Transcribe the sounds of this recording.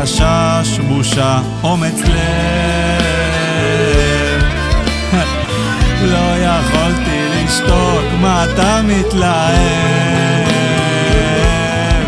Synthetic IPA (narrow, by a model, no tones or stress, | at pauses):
aʃaʃmuʃa | omit͡sle | m | lojaχolt̪iliiʃt̪o | kmat̪amit̪lae